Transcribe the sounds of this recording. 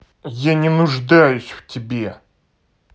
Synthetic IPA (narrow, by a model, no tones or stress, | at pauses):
janʲɪnʊʐd̪ajʊsʲftʲɪbʲe